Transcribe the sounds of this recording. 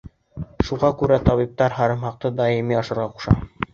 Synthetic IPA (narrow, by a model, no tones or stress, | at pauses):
ʃuʁɑkʉɾæt̪ɑβip̚t̪ɑɾɦɑɾɤ̆mhɑq̚t̪ɤd̪ɑjimiɑʃɤ̆ɾʁɑqu̥ʃɑ̰